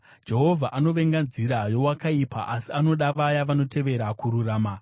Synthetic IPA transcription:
d͡ʒe̞ɦo̞vʱaʔano̞ʋe̞ŋɡand͡ziɾajo̞wakaipa̰ʔasiano̞ɗaʋajaʋano̞te̞ʋe̞ɾakuɾuraːma

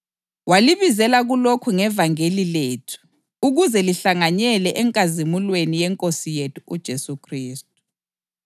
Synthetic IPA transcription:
waliβizɛlaɣulokʰuŋɛvaŋelileːtʰu̥ | uɣuzɛliɬaŋaɲɛlɛʔɛŋkʼazimulwenijɛŋkʼosijetʰu̥ud̥ʒ̥ʱesukʰriːst̚ʼu̥

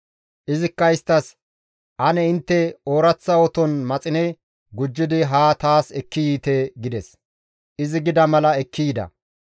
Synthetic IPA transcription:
ʔɪzɪkːɐɪst̪ːɐs | ʔɐnɛɪnt̪ːɛoːɾɐt͡sːɐwɔt̪ɔnmɐt͡sʼɪnɛ | ɡʊd͡ʒːɪd̪ɪɦaːt̪aːsɛkːɪjiːt̪ɛɡɪd̪ɛs | ʔɪzɪɡɪd̪ɐmɐlɐɛkːiːd̪ɐ̰

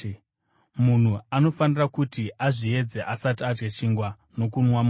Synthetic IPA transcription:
mun̤uano̞fanirakutiʔaʐie̞d͡zeʔasatad͡ʒɡet͡ʃiŋɡwa | no̞kunwamu

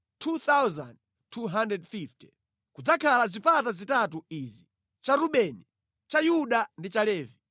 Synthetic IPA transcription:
tʰut̪awza̰nd̚ | tʰuɦandɾɛdfifti̥ | kud͡zakʰalazipatazitatuizi | t͡ʃaɾuɓɛni | t͡ʃajuɗandit͡ʃalɛːvi

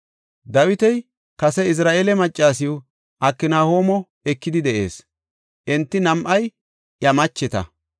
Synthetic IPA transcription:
d̪ɐwɪt̪ɛj | kɐsɛɪs̬ɾaːʔeːlɛmɐt͡ʃʼːaːs̬ɪjʊ | ʔɐkːɪnaːho̞ːmɔ | ɛkːɪd̪ɪd̪ɛʔḛːs | ʔɛnt̪ːɪnɐmʔɐj | jɐmɐt͡ʃːɛt̪ɐ̰

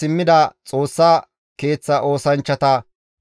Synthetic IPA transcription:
ɪmːɪd̪ɐt͡sʼo̞ːsːa | ke̞ːt͡sːɐʔo̞ːsɐnt͡ʃːɐt̪ɐ

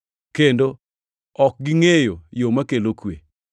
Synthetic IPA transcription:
kendo | ɔk̚ɡɪŋejojomakelokwe

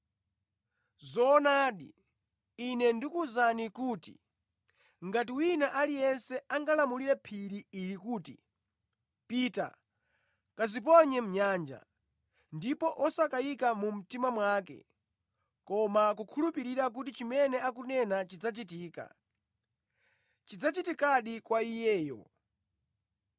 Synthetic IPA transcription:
zɔːnaːɗḭ | inɛndikuzanikuːtḭ | ŋɡatiwinaʔalijɛnsɛaŋɡalamuliɾɛpʰiɾiiɾikuːti | pita̰ | kazip̬ɔɲɛm̩ɲaːnd͡ʒa̰ | ndipɔʔɔsakajikamum̩timamwaːkɛ̰ | kɔmakukʰulupiɾiɾak̬ut̬it͡ʃimɛnɛakunɛnat͡ʃid͡zat͡ʃitiːka̰ | t͡ʃid͡zat͡ʃitikaɗikwaijɛːjɔ̰

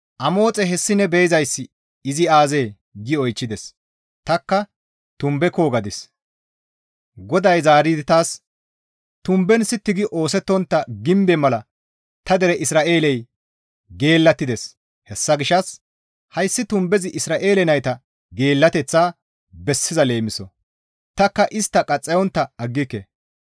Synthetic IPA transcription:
ʔɐmo̞ːt͡sʼɛɦɛsːɪnɛbejzɐjsːɪ | ɪzɪaːze̞ː | ɡɪɔjt͡ʃːɪd̪ɛs | t̪ɐkːɐ | t̪ʊmbɛko̞ːɡɐd̪ɪs | ɡɔd̪ɐjzaːɾiːd̪ɪt̪aːs | t̪ʊmbɛnsɪt̪ːɪɡɪʔo̞ːsɛt̪ːɔnt̪ːɐɡɪmbɛmɐlɐ | t̪ɐd̪ɛɾɛʔɪsɾaːʔe̞ːlɛj | ɡe̞ːlːɐt̪ːɪd̪ɛs | hɛsːɐɡɪʃɐs | hɐjsːɪt̪ʊmbɛzɪʔɪsɾaːʔe̞ːlɛnɐjt̪ɐ | ɡe̞ːlːɐt̪ɛt͡sːaː | bɛsːɪzɐle̞ːmɪsɔ | t̪ɐkːɐʔɪst̪ːɐkʼɐt͡sʼːɛjɔnt̪ːɐɐɡːɪkːɛ

